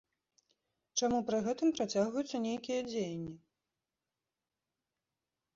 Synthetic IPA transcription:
t͡ʂamupɾɨɣɛt̪ɨmpɾat͡sʲaɣvɐjut̪sːɐnʲejkʲijɐd͡zʲejɐnʲːi

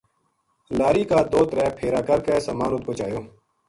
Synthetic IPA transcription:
laːɾiːkaːd̪oːt̪ɾɛːpʰeːɾaːkəɾkeːsəmaːnʊt̪̚koːt͡ʃaːjoː

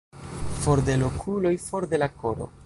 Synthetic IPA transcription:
fo̞ɾd̪e̞lo̞kʰulo̞jfo̞ɾd̪e̞lako̞ɾo̞̰

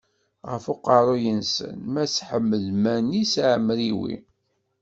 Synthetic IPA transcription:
ʁəfʊqɑɾˤojənsə̰nmæsħəmːəlmænisʕəmːliwḭ

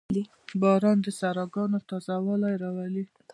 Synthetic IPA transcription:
d̪i | bɑɾɑnd̪əsaɾɑɡɑnot̪ɑzawalajɾɑwali

